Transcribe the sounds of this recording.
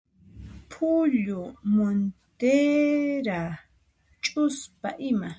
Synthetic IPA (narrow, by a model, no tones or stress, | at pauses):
pʰʊʎʊmont̪eɾa | t͡ʃʼʊspaʔɪma